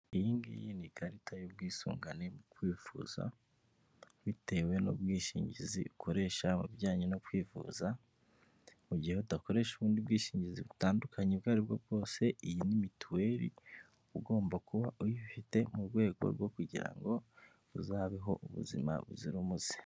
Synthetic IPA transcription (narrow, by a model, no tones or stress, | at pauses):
ijiːŋɡḭjiniɡaɾitʰajob̚ɡiːsṵːŋɡane̞mukwiːfuːza̰ | βite̞we̞no̰bɡiːʃiːɲɟizḭukʰo̞ɾe̞ːʃamubjaːɲenokwiːfṵːza | muɟihe̞udako̞ɾe̞ːʃuβuːndiubɡiːʃiːɲɟiziβutaːndukʰaɲebɡaːɾibɡo̞bɡo̞ːse̞ijinimituwe̞ːɾḭ | uɡo̞ːmbakuβaʔujifite̞muɾɡwe̞ːɡo̞̰ɾɡo̞kuɟḭɾa̰ŋɡo | uzaːβiɦo̞̰ʔuβṵzḭma̰βṵziɾumuz̥e̥